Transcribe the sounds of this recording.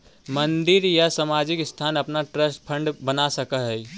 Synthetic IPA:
mə̃nd̪ɪɾjasəmad͡ʒɪkst̪ʰaːnəpnaʈɾəsʈpʰə̃ɳɖbənasəkəɦɛi

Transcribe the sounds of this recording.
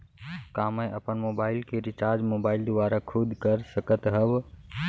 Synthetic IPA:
kaːmə̃ʔəpənmoːbaːɪlkeɾɪt͡ʃaːɾd͡ʒmoːbaːɪld̪ʊʋaːɾakʰʊd̪ʱkəɾsəkət̪ɦəb

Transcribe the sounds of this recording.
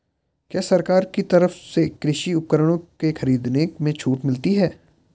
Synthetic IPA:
kjaːsɐɾkaːɾkit̪ɐɾəfsekɾɪʃiʊp̚kəɾəɽ̃õkexɐɾiːd̪neːkmẽt͡ʃʰuːʈmɪlt̪iɦɛː

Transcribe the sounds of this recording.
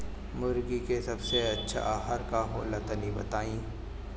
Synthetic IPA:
mʊɾɡikesɐbseɐtːʃʰa̰ɦəɾkaɦoːlɐt̪ənibɐ̰t̪aːĩː

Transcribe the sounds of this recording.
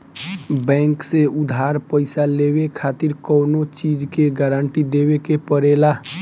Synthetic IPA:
bɛ̃ːŋkseʊd̪ʱaːɾpəɪsaleːwekʰaːt̪ɪɾkɔːnot͡ʃiːd͡ʒkeɡəːɾəɳʈid̪eːwekepəɾeːla

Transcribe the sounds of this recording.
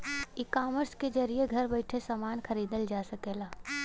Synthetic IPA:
ɪkaːməɾsked͡ʒɐɾijeɡʱɐɾbɐɪʈʰesɐmaːnxʰɐɾiːd̪əld͡ʒaːsɐkeːlaː

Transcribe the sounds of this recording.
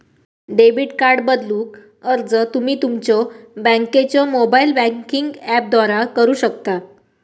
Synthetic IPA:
ɖebiʈkaɾɖbəd̪luːk | əɾd͡zət̪umiːt̪umt͡ɕɔbə̃ŋket͡ɕɔmobailbə̃ŋkiŋɡæp̚d̪ʋaɾakəɾuːɕəkt̪a

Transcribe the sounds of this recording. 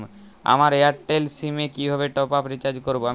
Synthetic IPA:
a̰maɾeaʈːelsimekibʱaβeʈɔpapɾit͡ɕad͡ʑkoɾboa

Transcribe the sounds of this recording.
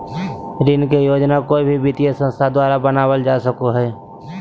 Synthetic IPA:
ɾɪnkejoːd͡ʒnakoibʱibɪt̪ijesə̃nst̪ʰad̪waːɾabənaːwəld͡ʒaːsəkoɦɛː

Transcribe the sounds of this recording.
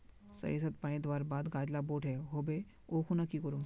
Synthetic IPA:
sə̰jesət̪̚paẽd̪ʋaːɾbad̪ɡad͡ʑlaboʈɛɦobe | okʰunakːikəɾũː

